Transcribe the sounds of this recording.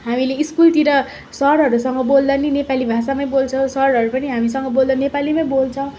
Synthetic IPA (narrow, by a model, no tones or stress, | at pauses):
ɦamileiskult̪iɾʌ | sʌɾɦʌɾusʌŋɡʌbold̪ʌninepalibʱasamaj̃bolt͡sʰʌw̃sʌɾɦʌɾupʌniɦamisʌŋɡʌbold̪ʌnepalimaj̃bolt͡sʰʌw̃